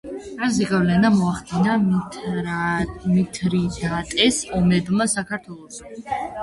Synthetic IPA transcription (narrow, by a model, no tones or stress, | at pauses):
azɛɡavlɛnamɔaχd̪ina | mit̪ʰɾid̪at̪ʼɛsɔmɛbmasakʰaɾt̪ʰwɛlˠɔʃa